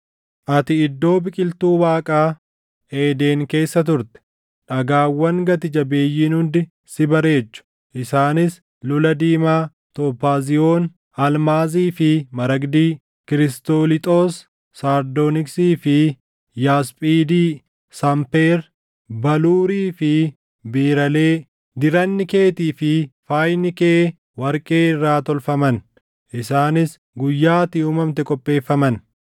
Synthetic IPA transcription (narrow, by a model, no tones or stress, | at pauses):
ʔɐt̪ɪɪd̪ːo̞ːbɪkʼɪlt̪uːwaːkʼaː | eːd̪e̞ːŋke̞ːsːɐt̪̬ʊɾt̪ɛ̥ | ᶑɐɡaːwːɐŋɡɐt̪ɪd͡ʒɐbe̞ːjːiːnhʊnd̪ɪ | sɪbɐɾe̞ːt͡ʃːʊ̥ | ʔɪsaːnɪs | lʊlɐd̪iːmaː | t̪opːaːzɪoːn | ɐlmaːziːfɪmɐɾɐɡd̪iː | kɪɾɪst̪oːlɪt̪ʼoːsː | aːɾd̪oːnɪksiːfɪ | jaːspʼiːd̪iː | sɐmpeːɾ | bɐluːɾiːfɪ | biːɾɐle̞ː | d̪ɪɾɐnːɪkeːt̪iːfɪfaːjnɪkeː | wɐɾkʼeːɪrːaːt̪ɔlfɐmɐn | ʔɪsaːnɪs | ɡʊjːaːt̪ɪuːmɐmt̪ɛkʼɔpʼːe̞ːfːɐmɐn